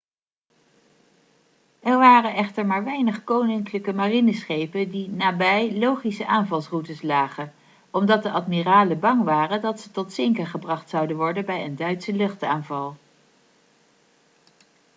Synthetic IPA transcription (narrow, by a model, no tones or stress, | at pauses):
ɛɹʋaːrənʔɛχtəɹmaːɹʋɛjnəχkownɪŋkləkəmarinəsχejpəndinaːbɛjlowχisəʔaːnvɑlˠsrutəslaːχə | ɔmdɑt̚dəʔɑtmiraːləbɑŋʋaːrədɑtsətɔtsɪŋkəɹχəbrɑχtsɑwdənʋɔɹdənbɛjəndœɥtsəlɵχtaːnvɑlˠ